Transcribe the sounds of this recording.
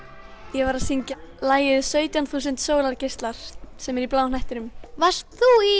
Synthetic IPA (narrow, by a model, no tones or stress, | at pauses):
jɛvaɾaðsiɲcalaːjɪðsœːɥt̪janθus̬ɪnt̪soːwlaɾcɪst̪laɾ̥sɛmɛɾiplaːwnajht̪ɪnʏmvast̪θui